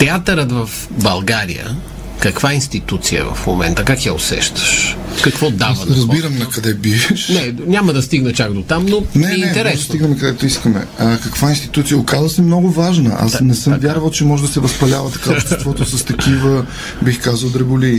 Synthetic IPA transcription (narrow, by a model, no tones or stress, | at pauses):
t̪ɛat̪ɐɾət̪vɐf | bɐlˠɡaɾḭjə̰ | kɐkvainst̪it̪ut̪siə̰vɐ̰fmo̰mɛ̰nt̪əkakjao̰sɛ̰ʃt̪ə̥ʃ | kɐkvɔd̪avɐɾɐzbiɾəmnɐkɐd̪ɛbiɛʃnɛɲʲamɐd̪ɐst̪iɡnɐt͡ʃakd̪ot̪amnonɛɛnnɛt̪ɛmɾɛsd̪siɡnɐmɛkɐd̪ɛt̪ʊiskəmɛ̰əkɐkvainst̪i̥t̪ut̪sijəʊkazvəsɛmnɔɡʊvaʒnəʔa̰snɛsɤmvʲjaɾvəlˠt͡ʃɛmɔʒɛd̪ɐsɛvɐspɐlʲavət̪ɐ̥kat̪ɛtvɔt̪ʊsɐst̪ɐkivə | bixkazəlˠd̪ɾɛbʊli